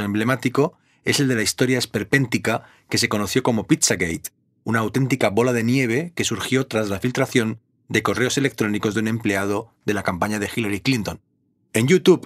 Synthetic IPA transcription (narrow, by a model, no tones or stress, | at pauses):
emble̞mat̪iko̞ | e̞se̞ld̪e̞laist̪o̞ɾjae̞spe̞ɾpe̞nt̪ika | ke̞se̞ko̞noθjo̞ko̞mo̞pit̪saɣejt̪ | unaːwt̪e̞nt̪ikaβo̞lað̞e̞nje̞β̞e̞ke̞suɾxjo̞t̪ɾazlafilt̪ɾaθjo̞n | d̪e̞ko̞re̞o̞se̞le̞k̚t̪ɾo̞niko̞zðunẽ̞mple̞að̞o̞ðe̞lakampaɲað̞e̞xilaɾiklint̪õ̞n | ẽ̞njut̪uβ